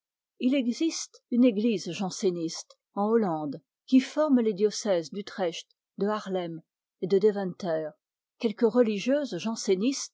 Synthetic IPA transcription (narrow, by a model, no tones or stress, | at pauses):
ilɛɡzist̪yneɡlizʒɑ̃senist̪ | ɑ̃olɑ̃d̪ | kʲifɔʁmled̪jɔsɛzd̪yt̪χɛʃt̪ | d̪əaʁlɛm | ed̪əd̪evɛ̃nt̪ɛːʁ | kʲɛlkəʁəliʒjøzʒɑ̃senist̪